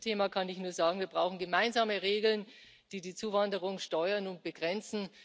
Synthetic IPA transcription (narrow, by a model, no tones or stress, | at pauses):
tʰeːmaːkʰanɪçnuːɐzaːɡŋ̩viːɐbʁaʊxn̩ɡəmaɪnzaːməʁeːɡl̩n | d̥iːdiːt͡suːvandəʁʊŋʃtɔʏɐnʊnt̚b̥əɡ̥ʁɛnt͡sn̩